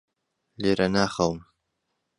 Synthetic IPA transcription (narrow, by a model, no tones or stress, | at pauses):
leːɾɐnaːxɐwm